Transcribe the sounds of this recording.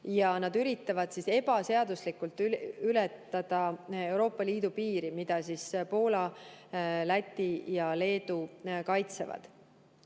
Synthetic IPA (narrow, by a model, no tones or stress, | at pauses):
jɑnɑd̪yɾit̪ːˑɑvɑd̪̥sise̞b̥ɑse̞ɑd̪uslikːult̪ːˑylɛt̪ːˑɑd̪̥ɑe̞wɾo̞ːpːˑɑliːd̪̥upiːɾimid̪̥ɑsispo̞ːlɑ | læt̪ʲːijɑle̞ːd̪̥ukɑjt̪sḛvɑ̰d̪̥